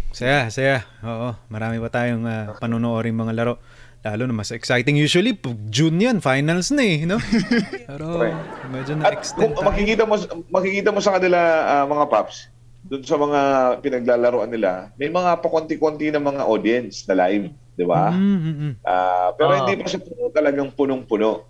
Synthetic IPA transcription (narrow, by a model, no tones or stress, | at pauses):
sɐjasɐjaʔoːʔomɐɾaːmɪpɐt̪aːjoŋapɐnonoʔo̞ːɾɪŋmɐŋalɐɾo̞ʔ | laːlonɐmasɛksajt̪ɪŋjuːswɐlipɐɡ̚d͡ʒunjonfajnɐlsnɐɛnoppɛɾoɛmɛd͡ʒonɐɐtɛkstkʊŋmɐkɪkiːt̪ɐmomɐkɪkiːt̪ɐmosɐkɐnɪlaʔamɐŋapaps | d̪ʊnsɐmɐŋapɪnɐɡ̚lalɐɾoʔɐnːɪla̰mɐjmɐŋapɐkont̪ikont̪inɐŋmɐŋaʔod̪ɪɛnsnɐlajv | d̪ɪba̰ː | ʔa̰pɛːɾoɪnd̪ipɐʃapʊnot̪ɐlɐɡaŋpʊnoŋpʊno̞ʔ